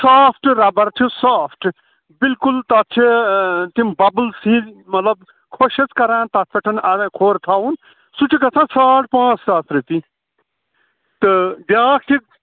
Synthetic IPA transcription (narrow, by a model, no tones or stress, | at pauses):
saːpʰʈɾɐbɐɾt͡ʃʰusaːpʰʈ | bilkult̪at̚t͡ʃʰit̪imbɐbəlsĩːmɐt̪lɐb | kʰoʃɐt͡skɐɾãːnt̪ɐt̪pʰeʈʰɐnaːʋẽːkʰoːɾt̪ʰaːun | sut͡ʃʰikɐt͡sʰãːsaːʈ̚pãːt͡st̪aːsʰɾit̪i | t̪ɨɖjaːk̚t̪ʰi